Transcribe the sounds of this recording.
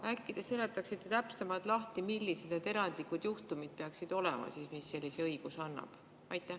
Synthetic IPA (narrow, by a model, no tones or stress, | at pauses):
ækːid̪̥eselet̪ːˑɑksit̪ːˑet̪æpsemɑlt̪ˑlɑht̪imilʲːised̪̥net̪e̞ɾɑnd̪̥likud̪̥juht̪umid̪̥̚pe̞ɑksid̪̥o̞lɛ̰mɑ̰siːsmisːe̞lʲːise̞ɤjɡ̥usɑnːɑ̰b̥ | ɑjt̪ːˑæh